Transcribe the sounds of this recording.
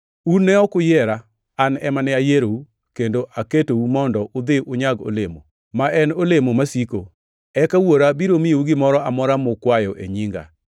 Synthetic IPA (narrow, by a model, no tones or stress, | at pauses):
unːɛɔkʊjɛɾa | anɛmanɛajeɾou | kendoʔaketoumɔndɔʔʊd̪ɪʔʊɲaɡo̰lemo̰ | maɛnolemomasiko | ɛkawoɾabiɾomijouɡɪmɔɾɔamɔɾamʊkwajɔʔḛɲiŋɡa̰